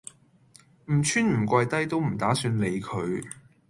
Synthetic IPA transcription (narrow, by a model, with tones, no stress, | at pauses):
m̩˨˩t͡ʃʰyː˥nm̩˨˩kʷɐ˧jt̪ɐ˥jt̪o˥wm̩˨˩t̪aː˨˥syː˧nle˨˧jkʰɵ˨˧ɥ